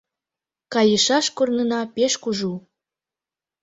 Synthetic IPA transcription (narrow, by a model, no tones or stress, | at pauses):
kɑjəʃɑʃkornənɑpeʃkuʒu